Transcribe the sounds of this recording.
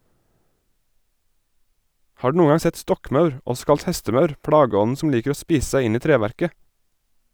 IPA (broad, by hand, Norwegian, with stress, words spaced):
ˈhɑː ˈɖʉː ˈnuːŋ ˈɡɑŋ ˈsɛt ˈstɔkˌmɑʉɹ ˈɔs ˈkɑlt ˈhɛstəˌmɑʉɾ ˈpɽɑɡəˌɔn̩ ˈsɔm ˈliːkəɾ ˈoː ˈspiːs ˈsæɪ ˈɪn ˈiː ˈtɾeːʋæɾkə